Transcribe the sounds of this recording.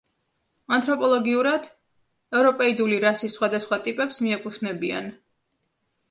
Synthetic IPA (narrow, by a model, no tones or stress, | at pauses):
ant̪ʼɾɔpʼɔlˠɔɡiuɾad̪̥ | ɛvɾɔpʼɛid̪uliɾasisχwad̪asχwat̪ʼipʼɛpsmiɛkʼut̪ʰnɛbia̰n